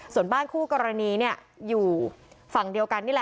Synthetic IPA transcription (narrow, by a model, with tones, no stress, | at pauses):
su˨˩ənbaː˥˩nkʰuː˥˩kɔː˧ɾa˧niː˧ni˥˩ɐ | juː˨˩ | fa˨˩ŋdi˧əwka˧nːiː˥˩lɛ˨˩